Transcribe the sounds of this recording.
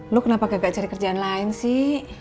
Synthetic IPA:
lokənapaɡaŋɡaʔt͡ʃaɾikərd͡ʒaanlaɪnsɪh

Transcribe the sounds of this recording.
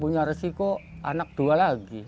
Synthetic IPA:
puɲaɾesikoʔa̰nak̚d̥ualaɡi

